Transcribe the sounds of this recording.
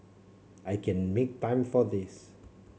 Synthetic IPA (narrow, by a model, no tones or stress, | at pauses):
ʔajkʰɛ̃nmek̚tãɪ̃mfɔdis